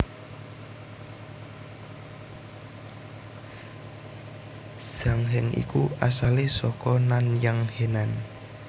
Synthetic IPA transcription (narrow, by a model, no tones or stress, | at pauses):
saŋɦɛŋḭkuʔasalesɔkɔnanjaŋhenan